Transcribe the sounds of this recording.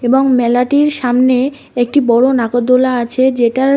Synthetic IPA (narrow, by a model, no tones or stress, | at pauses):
eboŋmɛlaʈiɾʃamne | ek̚ʈibɔɽonaɡod̪ːolaat͡ɕʰed͡ʑeʈaɾ